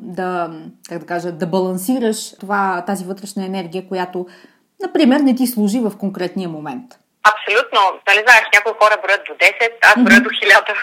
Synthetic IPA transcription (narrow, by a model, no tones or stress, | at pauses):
d̪ɐkaɡd̪ɐkaʒəd̪ɐbɐlˠɐnsiɾəʃt̪ovat̪azivɤt̪ɾɛʃnəɛnɛɾɡʲijəkojat̪o | nɐpɾimɛɾnɛt̪̬islˠuʒivɐfkoŋkɾɛt̪nijəmomɛnt̪ | ɐpsolʲut̪nonɐliznaɛʃnʲakojixɔɾəvɾət̪̚d̪od̪ɛsɛt̪azvɾəd̪oxilʲad̪ə